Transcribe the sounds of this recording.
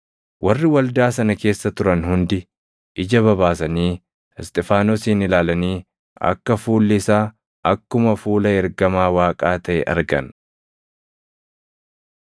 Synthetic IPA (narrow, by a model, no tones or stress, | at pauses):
wʔɐrːɪwɐld̪aːsɐnɐke̞ːsːɐt̪ʊɾɐnhʊnd̪ɪ | ʔɪd͡ʒɐβɐβaːsɐniː | ɪst̪ʼɪfaːnɔsiːnɪlaːlɐniː | ɐ̰kːɐfuːlːɪsaː | ʔɐkːʊmɐfuːlɐɛɾɡɐmaːwaːkʼaːt̪ɐʔɛ̰ʔɐ̰ɾɡɐ̰n